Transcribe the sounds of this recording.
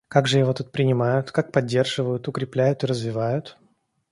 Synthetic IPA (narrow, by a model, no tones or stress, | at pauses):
kaɡʐɨjɪvo̞t̪ut̪̚pɾʲɪnʲɪmajʊt̪kak̚pɐdʲːe̞rʐɨvəjʊt̪ʊkɾʲɪplʲæjʊt̪ɨɾəzvʲɪvajʊt̪